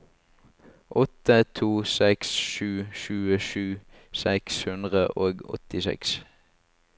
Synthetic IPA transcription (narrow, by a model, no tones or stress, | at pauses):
ʔɔt̪ət̪ʰuːsɛksʃʉːʃʉːəʃʉː | sɛkshʉnd̪ʁəʔoːɡɔ̰t̪ɪsɛ̰ks